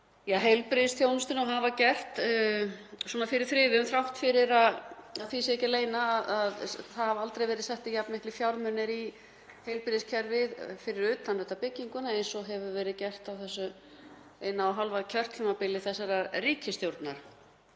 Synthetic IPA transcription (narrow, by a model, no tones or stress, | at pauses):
jaːɦejlpɾɪðɪsθʰjownʏst̪ɪnɔɦavacɛr̥t̪ | swɔːnafɪɾɪɾ̥θɾɪːðʏmθɾawht̪fɪɾɪɾaðaðθisɛhcɪleːjnaːðaðθaðhavalt̪ɾejvɛːɾɪðsɛht̪ɪjapnmɪhklɪfjawɾmʏnɪɾi | hejlpɾɪðɪscʰɛɾvɪðfɪɾɪɾʏːt̪anlʏt̪apɪcːiŋkʏnaejnsɔɦɛvʏvɛːɾɪðcɛr̥t̪awθɛsːʏ | ejnaaɦalvaðcʰœr̥t̪lʏmapɪlːɪθɛsːaɾariːcʰɪst̪jowɾt̪naɾ̥